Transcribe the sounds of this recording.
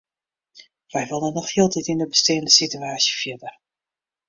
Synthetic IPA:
ʋɛjʋɪlˠdənɔxhiəlˠtitindəbəstɪːəndəsityaːsjəfjɪdər

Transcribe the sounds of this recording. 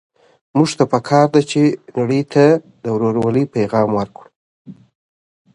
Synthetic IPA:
muʐt̪apəkʰɑɾd̪at͡ʃenaɽəjt̪ʰa | d̪əwɾoɾawalipajɣɑmwəɾkɽu

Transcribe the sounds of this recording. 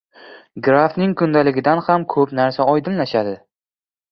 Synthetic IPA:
ɡɾafnɪŋkʰʊnd̪alɪɡʲɪd̪anhamkʰɵpnaɾsaɒjd̪ɪnlaʃad̪ɪ

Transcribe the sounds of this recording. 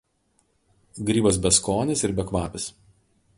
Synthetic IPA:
ɡɾʲiːbɐs̬bʲɛskoːnʲɪsɪɾbʲɛkʋɑːpʲɪs

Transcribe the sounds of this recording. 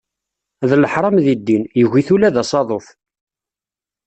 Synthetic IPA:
ðələħɾˤɑmðid̪ːinjəʝiθulæðɑsˤɑðˤoθ

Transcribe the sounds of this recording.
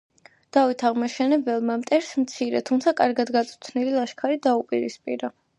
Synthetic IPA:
d̪̥avit̪ʰaʁmaʃɛnɛbɛlˠmamt̪ʼɛɾsmt̪sʰiɾɛt̪ʰumt̪sʰakʼaɾɡad̪ɡat̪sʼut̪ʰnililˠaʃkʰaɾid̪aupʼiɾispʼḭɾa

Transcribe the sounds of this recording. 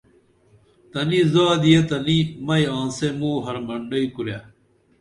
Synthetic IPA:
t̪ɐnizaːd̪ijet̪ɐnimɐjãːnsemuːɦɐɾmɐɳɖɐikuɾja

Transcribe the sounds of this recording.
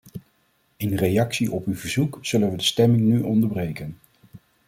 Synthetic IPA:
ɪnrejɑksiʔɔpywvəɹzukz̥ɵlənʋədəstɛmɪŋnyʔɔndəɹbrejkən

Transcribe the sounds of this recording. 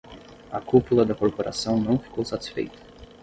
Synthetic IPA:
ɐkupulɐd̪ɐkoɾpoɾʔa̰sɐ̃w̃nɐ̃w̃fi̥kowsat̪i̥sfḛjt̪ɐ̥

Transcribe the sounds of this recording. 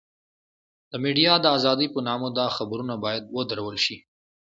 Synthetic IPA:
d̪̥əmiɖijɑd̪əazɑd̪ipənɑmod̪ɑxabɾunabɑjad̪̚wəd̪aɾawəlʃi

